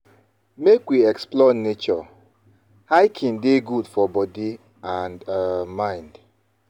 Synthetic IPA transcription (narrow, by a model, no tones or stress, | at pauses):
mekwiɛksplɔnet͡ʃɔ | haɪkʰĩndeɡudfɔbɔdi | andmãɪ̃nd